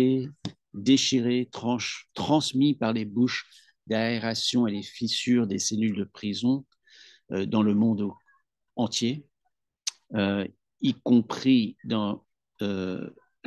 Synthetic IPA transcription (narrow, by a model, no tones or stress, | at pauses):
e | d̪eʃiʁet̪ɑ̃t̪χɑ̃smipaʁlebuʃ | d̪aeʁasjɔ̃elefisyʁd̪eselyld̪əpχizɔ̃ | ød̪ɑ̃ləmɔ̃d̪ | ɑ̃t̪je | ø | ikɔ̃pχid̪ɑ̃ | ø